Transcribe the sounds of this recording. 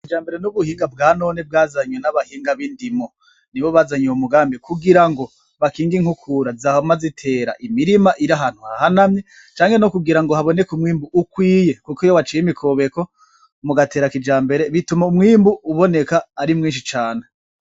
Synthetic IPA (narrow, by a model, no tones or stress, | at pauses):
kid͡ʒaːmbe̞ɾenuβuhiːŋɡabɡaːno̞ːneb̚ɡaːzaɲonaβahiːŋɡaβindimo | niβo̞βaːzaɲeumuɡaːmbikuɡiɾaŋɡo̞ | βakiːŋɡiŋ̥hukʰuɾazahomazitʰe̞ːɾa̰ʔimiɾimaʔiɾaɦaːn̥huhaahanamɲe | t͡ʃaːŋɡe̞nokuɡiɾaŋɡo̞haβo̞ne̞kumŋiːmbuːkwiːje̞kukojoβat͡ʃiːjimikʰoβe̞ko | muɡate̞ːɾakid͡ʒaːmbe̞ɾe̞βitumaumŋiːmbuːβo̞ne̞kaːɾimŋiːnʃit͡ʃaːne